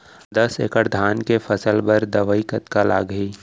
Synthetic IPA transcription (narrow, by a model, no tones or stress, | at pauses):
d̪ɐsḛːkəʈd̪ʱaːnkefʰɐsəlbəɾd̪ɐʋəikət̪kala̰ːɡiː